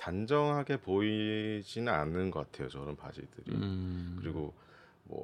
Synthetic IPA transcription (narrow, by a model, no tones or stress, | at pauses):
tand͡ʑʌŋɦaɡe̞poid͡ʑinɯna̰nːɯnɡʌk͈atʰe̞jot͡ɕʌɾɯnpa̰d͡ʑḭdɯɾḭkɯɾiɡo | mwʌ̰